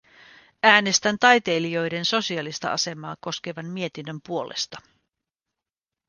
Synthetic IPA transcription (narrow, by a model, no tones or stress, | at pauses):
æːne̞st̪ænt̪ɑjt̪e̞jlijo̞jde̞nso̞siɑlist̪ɑ̰ʔɑ̰se̞mɑːko̞ske̞ʋɑnmie̞t̪inːø̞mpuo̞lʔḛst̪ɑ